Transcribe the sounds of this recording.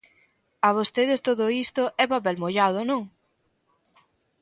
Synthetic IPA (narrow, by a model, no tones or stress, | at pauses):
aβ̞ost̪eðest̪oðoist̪oʔɛpapɛlmoʎað̞onõŋ